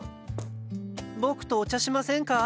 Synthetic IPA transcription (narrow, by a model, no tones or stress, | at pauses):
bo̞kɯ̟̥t̪oːt͡ɕaɕimasẽ̞ŋka